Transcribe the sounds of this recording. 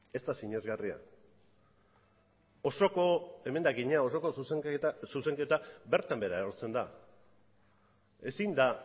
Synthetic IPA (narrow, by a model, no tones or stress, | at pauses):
e̞st̪asiɲe̞zɣaria̰ | o̞sokoe̞me̞nd̪aɡiɲao̞so̞ko̞suseasuse̞ŋke̞t̪abe̞ɾt̪ambe̞ɾaeoɾt͡se̞nd̪a | e̞sind̪a